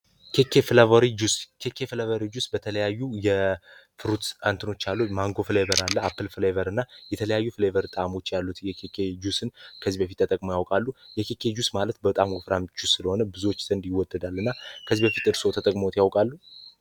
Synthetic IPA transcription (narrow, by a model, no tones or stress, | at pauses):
kʰe̞kʰːe̞fɨlavəɾid͡ʒuskʰe̞kʰːe̞fɨlvəɾid͡ʒusbət̪ʰələjajːujɛfɨɾut̪ant̪ʰɨno̞t͡ʃːalːumaŋɡo̞fɨlevəɾalːəapʰːɨlfɨlevəɾɨnːajɛt̪ʰələjajːufɨlevəɾt̪ʼamo̞t͡ʃːjalːut̪jɛkʰekʰe̞d͡ʒusɨnkʰəzibəfit̪ːət̪ʼəkʼmojawkʼalːujɛkʰe̞kʰe̞d͡ʒusmalət̪bət̪ʼamɡofɾamd͡ʒusːɨləho̞nəbɨzuwot͡ʃːz̥ənd̪jɪwɔd̪ːəd̪alːɨnːakʰəziβbəfit̪ɨɾsot̪ʰət̪ʼəkʼmot̪jawkʼalːu